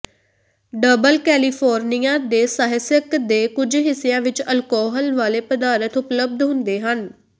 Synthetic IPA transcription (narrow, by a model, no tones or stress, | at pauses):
ɖəbəlkɛːliːpʰɔːɾnijãːd̪eːsaːɦɪsjəkd̪eːkʊd͡ʒɦɪsːɪjãːʋɪt͡ʃəlkɔːɦəlʋaːleːpəd̪aːɾət̪ʰʊpləb̚d̪ɦʊ̃nd̪eːɦən